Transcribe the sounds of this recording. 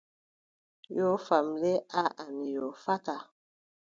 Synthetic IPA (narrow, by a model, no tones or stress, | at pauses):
jofamleaʔanijofaka